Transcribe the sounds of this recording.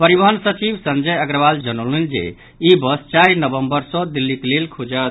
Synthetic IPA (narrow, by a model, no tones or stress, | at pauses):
pəɾibəɦənsət͡ʃibsənd͡ʒəjəɡɾəbald͡ʒənolind͡ʒḛ | ibəst͡ʃajnəbəmbəɾsɔd̪ilːiklelkʰud͡ʒə